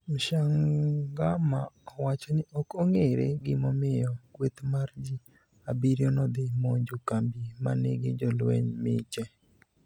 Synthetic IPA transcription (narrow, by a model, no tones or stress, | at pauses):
mʃaŋɡamaɔwat͡ʃɔnɪʔɔkoŋeɾḛɡɪmɔmɪjɔkwet̪maɾd͡ʒi | abiɾjɔnɔd̪ɪmoɲd͡ʒokambima̰nḛɡɪd͡ʒɔlwɛ̰ɲmɪ̰t͡ʃɛ